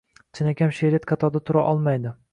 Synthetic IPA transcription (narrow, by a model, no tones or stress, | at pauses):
t͡ʃʰɪnakʲʰamʃeɾet̪kʰat̪ʰɒd̪at̪ʰʊɾaʔɒlˠmajd̪ɪ